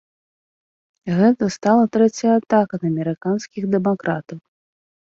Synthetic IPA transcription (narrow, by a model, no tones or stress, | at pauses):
ɣɛt̪ɐst̪alˠɐt̪ɾɛt͡sʲjat̪akɐd̪ɐmʲɛɾɨkanskʲiɣd̪ɛmakɾat̪ɐw